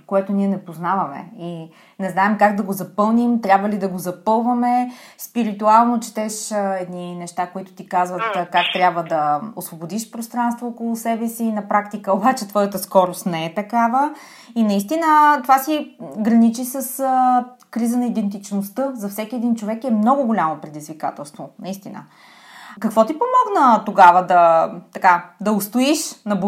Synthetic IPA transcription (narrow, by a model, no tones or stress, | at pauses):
koɛt̪oniɛnɛpoznavɐmɛ̰i | nɛznaɛmkaɡd̪ɐɡozɐpɤlˠnimt̪ɾʲabvəlid̪ɐɡozɐpɤlˠvəmɛspiɾit̪ualˠnot͡ʃɛ̥t̪ɛʃɛd̪ninɛʃt̪akoit̪ʊ̥t̪ikazvət̪kak̚t̪ɾʲabvəd̪ɐosvobod̪iʃpɾost̪ɾanst̪voːkolˠʊsɛbɛsinɐpɾakt̪ikəobat͡ʃɛt̪vɔjət̪əskɔɾʊst̪nɛɛt̪ɐkavə | inɐist̪inət̪ovasiɡɾɐnit͡ʃisəs | kɾizənɐid̪ɛnt̪̬it͡ʃnost̪ɤzɐfsɛk̟ʲiɛd̪int͡ʃovɛkɛmnɔɡʊɡolʲamopɾɛd̪izvika̰t̪ɛlˠst̪vonɐist̪inə̰ | kɐkvɔt̪ipomɔɡnət̪oɡavəd̪ɐt̪ɐkad̪ɐost̪oiʃnɐb